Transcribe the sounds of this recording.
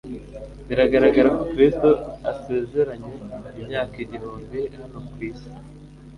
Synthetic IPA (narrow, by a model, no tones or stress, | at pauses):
iɾaɡaɾaɡaɾakokɾisto̞ase̞ːze̞ɾaɲe̞imɲaːkiɟiɾuːmbianokwiːsi̥